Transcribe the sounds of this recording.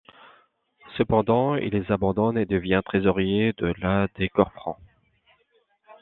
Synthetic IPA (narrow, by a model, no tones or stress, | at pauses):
səpɑ̃d̪ɑ̃ḭlezabɑ̃d̪ɔned̪əvjɛ̃t̪χezɔʁjed̪əlad̪ekɔʁfχɑ̰̃